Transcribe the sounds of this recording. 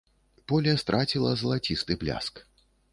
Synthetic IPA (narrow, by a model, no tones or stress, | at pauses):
pɔlʲɛst̪ɾʔat͡sʲilˠɐzɐlˠat͡sʲist̪ɨblʲa̰sk